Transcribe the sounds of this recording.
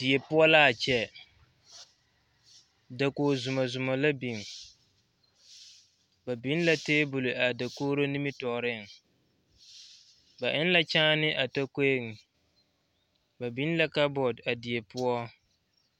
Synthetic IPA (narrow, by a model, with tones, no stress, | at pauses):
d̥ɪ˨e˨pʊ˦ɔ˦la˦a˨t͡ʃɛ˦ | da˨koː˨zʊ˨ma˨zʊ˨ma˨la˦bi˨ŋ | ba˨bi˦n˦la˦teː˦bʊ˨lʊ˨ʔa˨da˨koː˦ɾo˦ni˦mi˦tɔ˨ɾɪ˦˨ŋ | ba˨ʔɪ˦nla˦t͡ʃãː˦nɪ˦ʔa˨ta˦ke˦ŋ̩˨ | ba˨bi˦n˦la˦ka˦bɔ˨da˨di˨e˨pʊ˦ɔ˦